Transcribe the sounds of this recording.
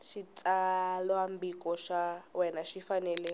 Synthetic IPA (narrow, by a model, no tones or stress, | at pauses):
ʃit͡sʼalwambikɔʃawɛnaʃifanɛlɛ